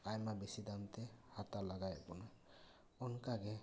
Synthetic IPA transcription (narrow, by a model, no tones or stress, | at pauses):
ajmabesid̪amt̪ɛhatalaɡajapɔna | ɔnkaɡɛ